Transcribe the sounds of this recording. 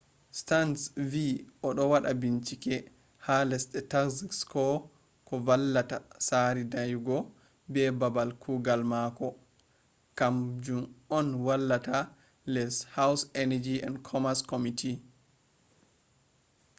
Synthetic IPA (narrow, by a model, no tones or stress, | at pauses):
stansviʔɔɗɔwaɗabiɲt͡ʃikɛ | halɛsɗɛtakzikskɔ | kɔvalːatasaɾidajuɡɔ | bɛbabalkʰuɡalmakɔ | kamd͡ʒumɔnwalːata | lɛshawsɛnad͡ʒiɛ̰ndkʰɔmaskomitʰi